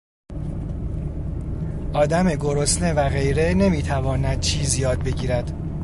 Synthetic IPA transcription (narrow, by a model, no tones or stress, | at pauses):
ʔɒːd̪æme̞ɡo̞ɾo̞sne̞væɣe̞jɾe̞ne̞miːt̪ʰævɒːnæd̪̥̚t͡ʃʰiːzijɒːd̪̚be̞ɟiːɾæd̪̥